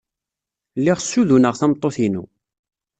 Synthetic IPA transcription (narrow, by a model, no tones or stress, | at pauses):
lːɪʁsːuðunəʁθæmt̪ˤːoθinṵ